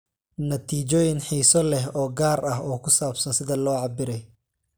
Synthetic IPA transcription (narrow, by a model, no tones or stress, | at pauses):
nɐt̪ʰiːt͡ʃɔːjɪnħiːsɔlɛɦɔːɡaːɾɐɦɔːkʰʊsaːbsɐnsɪðɐlɔːʕɑbɪɾɛj